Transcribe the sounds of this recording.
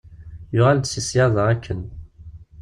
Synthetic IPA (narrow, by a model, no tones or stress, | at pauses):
jʊʁald̪sisjɑðˤɑækːən